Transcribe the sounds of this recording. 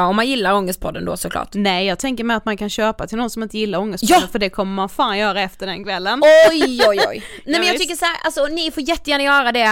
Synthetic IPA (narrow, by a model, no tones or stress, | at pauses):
ɔmːanjɪlːaɾɔŋːəst̪̚pʰɔd̪ːənd̪o̰ːsɔkʰlɑ̰ːʈnɛjjɑːɡ̚t̪ʰɛŋkəɾmɛɪat̪mankʰanɕøːpat̪ʰɪlnɔnsɔmɪnt̪əjɪlːaɾɔŋːəst̪pɑdənfəɖɛkʰɔmːəmanfaːnjœːɾaɛft̪əɖɛnkʰvɛlːənɔjɔjɔ̰jnɛmɛnjɑɡt̪ʰʏkːəʂaæɾʔa̰lsɔnɪfoːɾjɛt̪ːɛjæːnajœːɾad̪ɛ